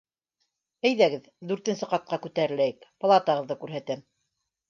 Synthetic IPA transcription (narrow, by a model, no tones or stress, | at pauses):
æjðæɡɘð | d̪ʉɾt̪ɘ̆nsɘqɑt̪̚qɑkʉt̪æɾɘ̆læjɘkp̆lˠɑt̪ɑʁɤ̆ðːɤkʉɾɦæt̪ɘm